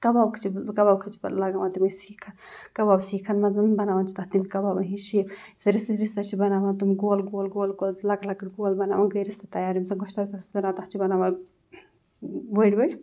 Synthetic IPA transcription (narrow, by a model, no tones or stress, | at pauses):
kɐbabkʰt͡ʃʰikɐbaːbkʰɐt͡ʃʰi̥bɐlɐɡaʋãːt̪imisiːkʰɐnkɐbabsiːkʰɐnmɐzɐnbɐnaːʋant͡ʃʰi̥t̪ɐht̪imikɐbabɐɦiʃiːp | sɐɾist̪iɾist̪ɐt͡ʃʰibɐnaːʋãnt̪umiɡoːlɡoːlɡoːlɡoːlzlɐklɐkʈɡoːlbɐna̰ːʋaːɡɐjɾist̪ɐt̪ɐjaːɾimsɐɡɔʃt̪abst̪ɐsbɐnaːt̪ɐht͡ʃʰibɐnaːʋã | boɽʲbɐj